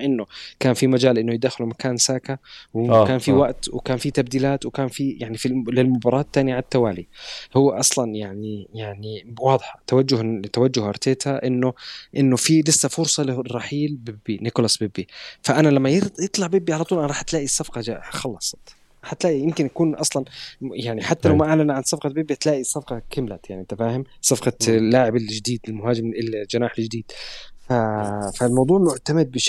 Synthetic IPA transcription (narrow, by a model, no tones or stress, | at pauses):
ʔɪnːʊkaːnfimad͡ʒaːlʔɪnːʊjɪd̪aːxɪlumakaːnsaːkawɪkaːnfiwaʔt̪wɪkaːnfit̪ab̚d̪iːlaːt̪wɪkaːnfijaʕnifilɪlmʊbɑɾˤɑːt̪ːaːnijaʕat̪ːawaːlḭhʊwːaʔɑsˤlɑnjaʕnijaʕniwɑːd̪ˤħḁt̪awad͡ʒːʊht̪awad͡ʒːʊhʔɑɾˤt̪eːt̪haʔɪnːʊʔɪnːʊfilɪsːafʊɾsˤɑlɪrˤːɑħiːlbɪbinɪkʊlɑsˤbɪbːifaʔanalamːajjɨt̪ˤlɑʕbɪbːiʕalɑt̪ˤuːlʔanɾˤɑːħt̪laːʔisːɑfqɑaxɑlːɑsˤɑ̥t̪ˤ | ɾɾˤɑːħat̪laːʔijɪmkɪnjakuːnʔɑsˤlɑnjaʕniħat̪ːalawwmaʔaʕlanʕansˤɑfqɑbɪbːit̪laːʔisːɑfqɑkɪmlajaʕnit̪ːafaːhɪmsɑfqɑlːaːʕɪbɪld͡ʒd̪iːd̪ɪlmʊɦaːd͡ʒɪmɪld͡ʒanaːħɪld͡ʒd̪iːd̪̥fafalmɑwd̪ˤuːʕmʊʕt̪amɪd̪̚bɪʃ